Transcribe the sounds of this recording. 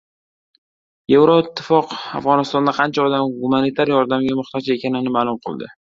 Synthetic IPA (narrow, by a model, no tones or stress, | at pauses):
je̞vɾoɪt̪ʰːɪfɒqa̰fʁɒnɪst̪ɒnd̪aqʰɑnt͡ʃʰaɒd̪amɡumanit̪ʰaɾjɒɾd̪amɡʲamʊχt̪ʰɒd͡ʒe̞kʲʰanɪnɪmaːlˠʊmqʰɨ̰lˠd̪ɪ̰